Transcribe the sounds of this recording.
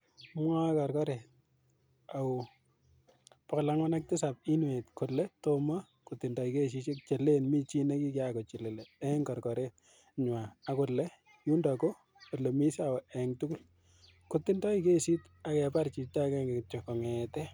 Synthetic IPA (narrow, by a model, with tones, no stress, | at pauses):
mwa˦kɔ˨ɾkɔ˦ɾe˨t̚ | a˨ʊ | pɔ˨klaŋwa˦nak̚tɪ˦sa˨p̚i˦nwe˨tkolɛ˦toma˦ | kotːi˨ndɔ˨i˨ke˦s̬i˦t͡ʃe˦k̚t͡ʃe˨lenmi˦t͡ʃi˦ne˦ki˦kakɔ˨t͡ʃi˨le˨leɛŋkɔ˨ɾkɔ˨ɾet̚ | ɲwa˨a˨kʊ˨lɛ˦ | ju˦ndako˦ | ko˨le˨mi˦sa˨ɛŋtu˦ku˦l | kotːi˦ndɔ˦ike˦si˦t | akɛ˨pa˦ɾt͡ʃi˨ta˦kɛ˦ŋɡekt͡ʃɔ˨kɔ˨ŋɛtɛ